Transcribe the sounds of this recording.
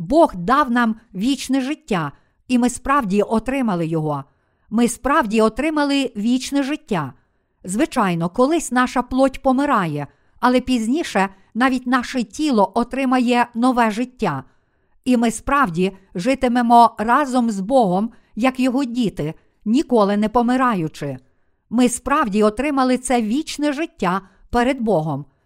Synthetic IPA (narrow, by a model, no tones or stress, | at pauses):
bɔɣd̪ɑwnɑmʋʲit͡ʃnɛʒɪtʲːa | imɪspɾɑwdʲiʔɔt̪ɾɪmɐlˠɪjɔɦɔ | mɪspɾɑwdʲiɔt̪ɾɪmɐlˠɪʋʲit͡ʃnɛʒɪtʲːa | zʋɪt͡ʃɑjnɔkɔlˠɪsʲnɑʃɐplˠɔtʲpɔmɪɾɑjɛ | ɐlˠɛpʲizʲnʲiʃɛ | n̪ɑʋʲitʲnɑʃɛtʲilˠɔʔɔt̪ɾɪmɐjɛnɔʋɛʐɪtʲːa | imɪspɾɑwdʲiʒɪt̪ɪmemɔrɑzɔmzbɔɦɔm | jɐkjɔɦɔdʲit̪ɪ | nʲikɔlˠɪnɛpɔmɪɾɑjʊt͡ʃɪ | mɪspɾɑwdʲiɔt̪ɾɪmɐlˠɪt̪sɛʋʲit͡ʃnɛʒɪtʲːa | pɛɾed̪̚bɔɦɔm